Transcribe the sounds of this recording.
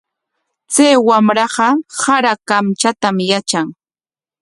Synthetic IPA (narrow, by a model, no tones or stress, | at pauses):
t͡sajwamɾɑɢɑsaɾakamt͡ʃat̪amjat͡ʃaŋ